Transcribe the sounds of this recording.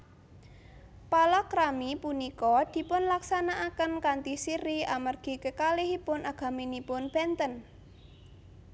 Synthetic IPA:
palɔkɾamipunikɔd̪̥i̤pʊnlaksanaʔakənkant̪isiɾiamarɡ̥i̤kəkaliɦipʊnʔaɡ̥a̤minipʊnb̥ɛnt̪ən

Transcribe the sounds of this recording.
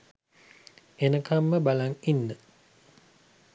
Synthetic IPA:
enəkamːəbalaŋinːə

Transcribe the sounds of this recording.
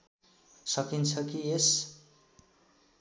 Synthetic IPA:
sʌkint͡sʰʌkies

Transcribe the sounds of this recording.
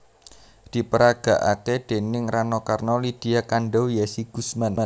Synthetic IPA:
d̪̥i̤pəɾaɡ̥a̤ʔaked̪̥e̤nɪŋranɔkarnɔlid̪̥i̤akanɖɔwjɛsiɡ̥ṳsman

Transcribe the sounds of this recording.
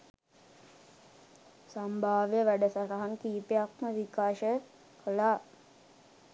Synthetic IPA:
sambʱaːʋjəʋæɖəsaɾaɦankiːpeak̚məʋikaːʃə | kəlaː

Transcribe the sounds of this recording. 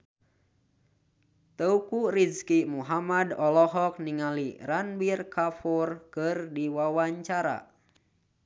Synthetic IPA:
t̪əukuriskimuɦamadɔlɔɦɔk̚niŋalḭranbirkafurkɨrdiwawaɲt͡ʃaɾa̰

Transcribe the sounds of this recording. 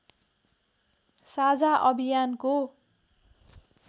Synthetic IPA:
sad͡zaʔʌbʱijanko

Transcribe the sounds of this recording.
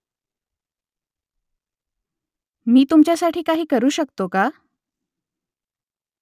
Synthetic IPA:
miːt̪umt͡ɕjasaʈʰiːkaɦiːkəɾuːɕəkt̪oka

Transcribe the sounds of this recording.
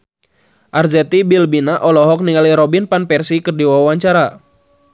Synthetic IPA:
ʔarzɛt̪ibilbinaʔɔlɔɦɔk̚niŋaliɾɔbinpanpɛrsikɨrdiwawaɲt͡ʃaɾa

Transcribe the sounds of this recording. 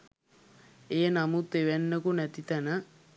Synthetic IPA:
ejənamut̪eʋenːəkunæt̪it̪ænə

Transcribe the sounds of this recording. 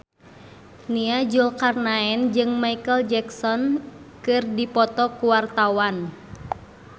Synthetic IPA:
niad͡ʒulkarnaɛnd͡ʒɨŋmaikəld͡ʒɛksɔn | kɨrdipɔt̪ɔkuwart̪awan

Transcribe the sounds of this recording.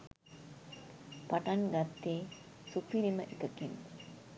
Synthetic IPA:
paʈanɡat̪ːeː | supiɾiməʔikəkin

